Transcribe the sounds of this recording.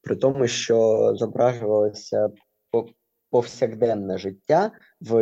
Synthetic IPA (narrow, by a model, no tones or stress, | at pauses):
pɾɪt̪ɔmʊʃt͡ʃɔzɔbɾɑʒʊʋɐlˠɔsʲɐ | pɔwsʲɐɣd̪ɛnːɛʒɪtʲːa | ʋ